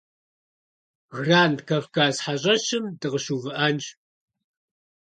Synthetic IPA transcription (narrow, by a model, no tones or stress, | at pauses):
ɣraːndkʰɐfkaːzħaɕʼɐʃɨmdɨʁəɕuːvɨʔɐnt͡ʃ